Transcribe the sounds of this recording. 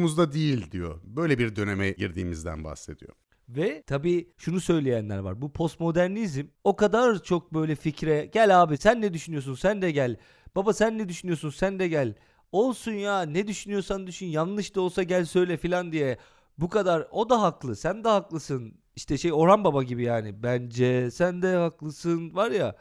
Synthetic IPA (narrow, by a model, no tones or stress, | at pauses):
muzd̪ad̪ijilʲd̪ijo̞̰bø̞jlʲɛbiɾd̪ø̞nemɛɟiɾd̪ḭːmizd̪æ̰nba̰hse̞̰d̪̥ḭjo̰ | vɛt̪ʰabiːʃunusø̞jlʲejænlʲæ̰ɾva̰ɾbupʰo̞st̪mo̞d̪æɾnizimo̞kad̪aɾt͡ʃʰo̞k̚bø̞jlʲɛficɾɛɟælʲaːbisænːɛd̪yʃynyjo̞s̬unsænd̪ɛɟælʲ | b̥abasænːɛd̪yʃynyjo̞sunsænd̪ɛɟælʲ | o̞lˠsunjanɛd̪yʃynyjo̞sand̪yʃynjanlˠɯʃt̪ʰao̞lˠsaɟælʲsø̞jlʲɛfilʲand̪ijɛ | bukad̪aɾo̞d̪aɦaklˠɯsænd̪ɛhaklˠɯsɯn | iʃt̪ʰɛʃejo̞ɾanbabaɟibijaːnibænd͡ʒɛsænd̪ɛhaklˠɯsɯnvaɾja̰